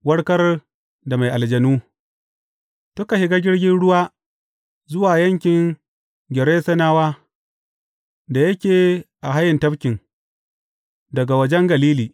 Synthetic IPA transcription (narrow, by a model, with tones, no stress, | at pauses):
wɐ˦ɽkɐ˦r | da˨ma˨jʔa˨ld͡ʒɐ˨nuː˦ | tʊ˦ka˨hɪ˦ɡa˦ɡʲɪ˦ɽɡʲɪ˦nɽʊ˦waː˦ | zʊ˦waː˨jɐ˦ŋkʲɪ˨ŋ | ɡʲɪ˨ɾeː˦sɐ˦naː˦waː˦ | da˨jɐ˦kʲeː˨ʔa˨ɦa˦jːɪ˨ntɐ˦bkʲɪ˨ŋ | dɐ˨ɡa˨wɐ˨˦d͡ʒɛ˦ŋɡɐ˨liː˦liː˨